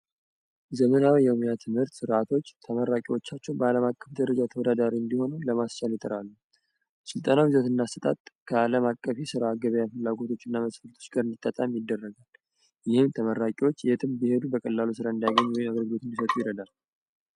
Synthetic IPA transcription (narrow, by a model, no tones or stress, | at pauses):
zəmənawjɛmjat̪ʰɨmhɨɾt̪sɨɾat̪ʰo̞t͡ʃːt̪ʰəməɾakʼiwo̞t͡ʃːat͡ʃːɛwbəaləmakʼːəfd̪əɾəd͡ʒat̪ʰəwɔd̪ad̪aɾiɨnd̪iho̞nuləmast͡ʃaljɪt̪ʼəɾalːu | sɨlt̪ʼənawizot̪ɨnːast̪ət̪ʼa̰t̪kʰəaləmakʼːəfesɨɾaːɡəβjafɨlːaɡo̞t̪ʰo̞t͡ʃːɨnːaməsfəɾt̪ʰo̞̥t͡ʃɡaɾɨnd̪it̪ʼːat̪ʼamjɪd̪ːərːəɡal | jɪhɨmt̪ʰəməɾakʼiwot͡ʃːjet̪ʰɨmbihe̞d̪ubəkʼəlːalus̬ɨɾaɨnd̪ijaɡəɲːwɔjɪmaɡəɾəɡɨlo̞t̪ɨnd̪isət̪ʼujɪɾəd̪al